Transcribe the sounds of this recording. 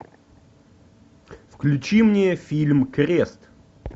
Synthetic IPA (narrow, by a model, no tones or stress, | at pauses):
fklʲʉt͡ɕimnʲɪjəfʲilʲmkɾʲest̪